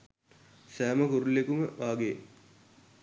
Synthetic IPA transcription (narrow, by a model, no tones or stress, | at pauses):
sæːməkuɾulːekuməʋaːɡe